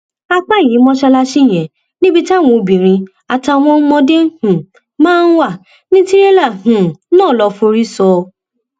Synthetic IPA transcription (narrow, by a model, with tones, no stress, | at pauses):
a˧k͡pa˦˨ĩ˨˦mɔ̃˧ʃɛ˧la˧ʃi˦˨j̃ɛ̃˨ | nĩ˦bi˧ta˦˨w̃ɔ̃˧bĩ˨ɾ̃ĩ˧ | a˨ta˧˨w̃ɔ̃˧˦mɔ̃˧de˦hũ˨ | mãː˦n̩˦wa˦˨ | nĩ˦ti˦ɾe˦la˦˨hũ˨nɔ̃ː˦˨lɔ˧fu˧ɾi˦sɔ˧